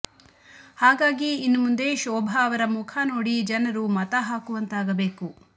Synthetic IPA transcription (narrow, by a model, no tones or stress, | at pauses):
haːɡaːɡiːnːumund̪e̞ʃɔːbʱaːʋɐɾɐmukʰaːno̞ːɽid͡ʒɐnɐɾumɐt̪ɐɦaːkuʋɐnt̪aːɡɐbe̞ːku